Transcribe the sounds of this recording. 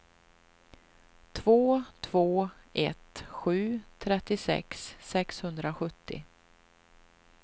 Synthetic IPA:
t̪ʰvoːt̪ʰv̥oːɛt̪ɧʉ̟ːt̪ʰɾɛt̪ːɪsɛ̰ksːɛkshɵnd̪ɾaɧɵt̪ːɪ̰

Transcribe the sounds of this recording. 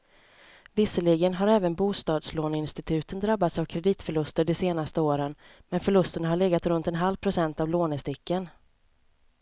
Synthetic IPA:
vɪsəɭɪɡənɦaɾɛːvənbuːst̪ɑːd̪sloːnɪnst̪ɪt̪ʰʉ̟ːt̪ənd̪ɾabːat̪savkʰɾɛd̪iːt̪fœɭɵst̪əɖɛseːnast̪əoːɾən | mɛnfœɭɵst̪əɳaɦaɭɛɡat̪ɾɵnt̪ɛnɦalvpʰɾʊsɛnt̪avloːnɛst̪ɪkːən

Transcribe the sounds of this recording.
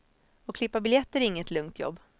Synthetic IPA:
ɔkʰlɪpːabɪljɛt̪ːəɾɪŋːət̪ʰlɵŋt̪ʰjɔ̰bː

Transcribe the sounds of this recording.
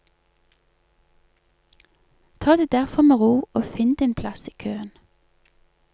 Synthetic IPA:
t̪ʰɑːd̪eːd̪æʁfɔmeːʁuːoːfɪnd̪ɪːnpʰlɑsiːkʰøːən

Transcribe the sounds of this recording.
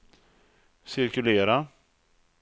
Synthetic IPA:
sɪɾkɵleːɾa

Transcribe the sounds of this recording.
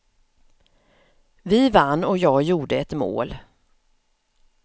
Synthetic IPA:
vɪvanːɔkjɑːɡjuːɖəɛt̪mo̰ːl

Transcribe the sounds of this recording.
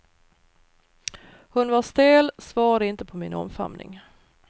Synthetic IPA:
hʊnvaʂt̪eːlsvɑːɾad̪əɪnt̪əpʰɔmɪnɔ̰mfa̰mnɪ̰ŋ

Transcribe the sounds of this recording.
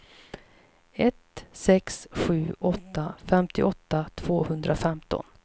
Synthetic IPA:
ɛt̪sɛksɧʉ̟ːʔɔt̪ːafɛmt̪ɪʔɔt̪ːat̪ʰv̥oːhɵnd̪ɾʔafɛmt̪ʰɔ̰n

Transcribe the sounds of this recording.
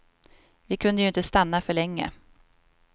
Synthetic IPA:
vɪkʰɵnd̪əjɵɪnt̪əst̪anːafœɭɛŋːə̰

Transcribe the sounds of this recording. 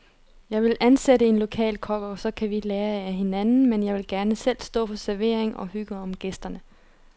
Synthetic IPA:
jɑ̈ɪʋe̝lʔænseɾəe̝nlo̝kʰɛ̰ːlkʰɒ̽ɡ̥ɐsɒ̽kʰæʋileːɐeæɦe̝nænn̩menjɑ̈ɪʋe̝lɡ̥æɐnəsel̰sd̥ɔ̰̽ːfɒ̽sæɐʋe̝ɐeŋʔɒ̽hyɡ̥əɒ̽mɡ̥esd̥ɐnə

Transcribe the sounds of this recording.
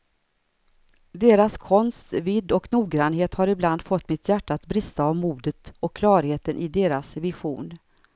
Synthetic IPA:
d̪eːɾaskʰɔnst̪vɪd̪ːɔknuːɡɾanɦeːt̪haɾɪbland̪fɔt̪ːmɪt̪jæʈːaːt̪bɾɪst̪aːvmuːd̪ət̪ɔkʰːlɑːɾheːt̪ənʔɪd̪eːɾasvɪɧuːn

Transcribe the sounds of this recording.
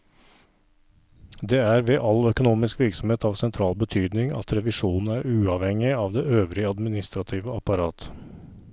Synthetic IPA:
d̪eːæːɾʋeːʔɑlœkʊnuːmɪskʋɪɾksɔmheːt̪ɑːʋsɛnt̪ʰɾɑːlbət̪ʰyːd̪nɪŋɑ̰t̪ɾɛʋɪʃuːnn̩æːɾʉːɑʋhɛŋɪɑːʋd̪eːøːʋɾɪəɑd̪mɪnɪst̪ɾɑt̪ʰiːʋəɑpɑɾɑːt̪

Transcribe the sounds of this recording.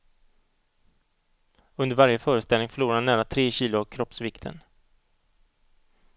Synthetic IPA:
ɵnd̪əɾvaɾjəfœːɾəst̪ɛlnɪŋfœɭuːɾaanːæːɾat̪ʰɾeːɕiːlʊavkʰɾɔpsvɪkt̪ʰə̰n

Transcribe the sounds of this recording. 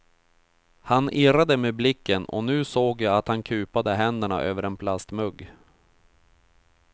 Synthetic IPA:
hanɪɾad̪əmeːblɪkːənɔ̰nʉ̟ːsoːɡjaat̪hankʰʉ̟ːpad̪əɦɛnd̪əɳa̰ʔøːvəɾɛnpʰlast̪mɵɡː

